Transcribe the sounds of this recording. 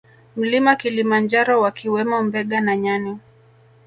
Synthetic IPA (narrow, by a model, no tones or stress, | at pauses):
m̩limakilimand͡ʒaɾɔwakiwɛmɔmbɛɠanaɲani